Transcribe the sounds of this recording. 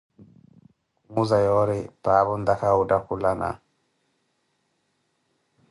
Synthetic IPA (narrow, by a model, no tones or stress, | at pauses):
kuŋuzajɔɾɛpaːbɔnd̪akaudakulana̰